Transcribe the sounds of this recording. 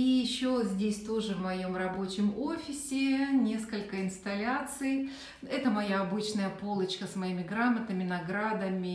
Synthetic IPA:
ijɪɕːozʲdʲesʲt̪o̞ʐɨvmɐjo̞mrɐbo̞t͡ɕɪmo̞fʲɪsʲɪnʲe̞skəlʲkəɪnst̪ɐlʲat̪sɨj | ɛt̪əmɐjaɐbɨt͡ɕnəjəpo̞lˠət͡ɕkəsmɐimʲɪɡɾamət̪əmʲɪnɐɡɾad̪əmʲɪ

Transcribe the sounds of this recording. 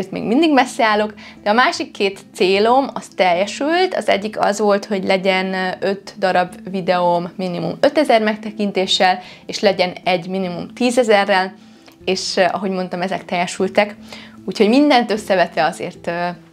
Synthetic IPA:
ert̪mḛːɡmind̪iɡmɛsːɛaːlo̞k | d̪̥ɛɒmaːʃikːeːt̪seːlo̞mɒst̪ɛjːɛʃylt̪ɒ̰zɛ̰ɟːikɒ̰zʋo̞lt̪ho̞ɟlɛɟɛnø̞t̪d̪ɒɾɒbvid̪ɛomːinimṵmø̞t̪ɛzɛrmɛk̚t̪ɛkint̪eːʃːɛleːʃlɛɟɛnɛɟːminimumt̪iːzɛzɛrːɛl | eːʃɒ̰ɦo̞ɟmo̞n̪t̪ɒmɛzɛk̚t̪ɛjɛʃylt̪ɛkuːcho̞ɟmind̪ɛnt̪ø̞sːɛvɛt̪ʋɛɒzḛːrt̪ː

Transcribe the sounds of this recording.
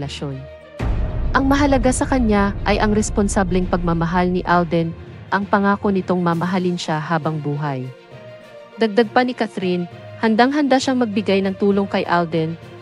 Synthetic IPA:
lɐʃo̞n | ʔɐŋmɐɦɐlɐɡasɐkɐɲaʔɐjʔɐŋɾɛsponsablɛŋpɐɡ̚mɐmɐɦalnɪʔald̪ɛnʔɐŋpɐŋaːko̞nɪt̪o̞ŋmɐmɐɦalɪnʃahaːbɐŋbuːɦɐj | d̪ɐɡ̚d̪aɡ̚pɐnɪkaθɾinhɐnd̪aŋɦɐnd̪aʃaŋmɐɡ̚bɪɡajnɐŋt̪uːlo̞ŋkɐjʔald̪ɛn

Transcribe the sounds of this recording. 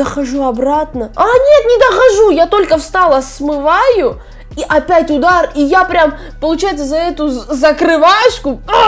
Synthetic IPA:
əxɐʐuɐbrat̪nəanʲe̞t̪nʲɪd̪əxɐʐujat̪o̞lʲkəfst̪alˠəsmɨvajʊ | iʔɐpʲætʲʊd̪arijapɾʲam | pəlˠʊt͡ɕajɪt̪səzɐɛt̪ʊzəkɾɨvaʂkʊ

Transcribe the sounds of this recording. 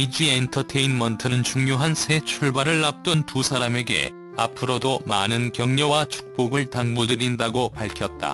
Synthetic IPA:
id͡ʑientʰʌtʰeinmʌntʰɯnɯnt͡ɕuŋɲoɦansʰe̞t͡ɕʰuɭbaɾɯɭːap̚t͈ɯntusʰaɾame̞ɡe̞̰ | a̰pʰɯɾodoma̰nɯnkjʌŋɲʌwat͡ɕʰu̥k̚p͈oɡɯɭtaŋmudɯɾindaɡopaɭkʰjʌt̚t͈a̰

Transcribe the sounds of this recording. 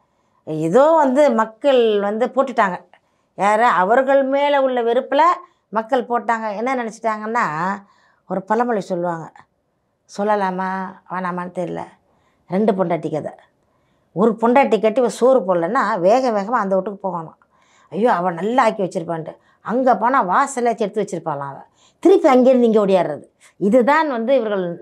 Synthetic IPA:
ɛðoːʋɐnd̪ɯmɐkːɐɭʋɐnd̪ɯpoːʈːɯʈːaːŋɡɐ | jaːɾẽɐʋɐɾɣɐɭmeːlɐʊɭːɐʋɪɾɯpːɯlɐ | mɐkːɐɭpoːʈːaːŋɡɐɛnːɐnɪnɛt͡ʃːɪ̥ʈːaːŋɡɐnːaː | ɔɾɯpɐlɐmɐɭɪsɔlːɯʋaːŋɡɐ | sɔlːɐlaːmaːʋaːnaːmaːnɯt̪ɛɾɪlɐ̰ | ɾɛɳɖɯpɔɳɖaːʈːɪkːɐðɐ̰ | ɔɾɯpɔɳɖaːʈ̬ːikːɐʈːiʋɐɾɯsoːɾɯpoːlɐnːaːʋeːɣɐʋeːɣɐmaːɐnd̪ɐɔʈːɯkːɯpoːɣaːnʊ̰̃ | ɐjːoːɐʋɐnɐlːɐaːkiʋɐt͡ʃːɪɾɯpːaːɳʈːɯ | ɐŋɡeːpoːnaːʋaːsɐlɐt͡ʃɛɾɯt̪ːɯʋɐt͡ʃːɪɾɯpːaːlã̰ːɐʋɐ̰ | t̪ɪɾɪpːɯɐŋɡeːɾɯnd̪ɪŋɡeɔɽɪjaːɾɾɐðɯ | ɪðɯt̪ãːnʋɐnd̪ɯɪʋɐɾɣɐɭ

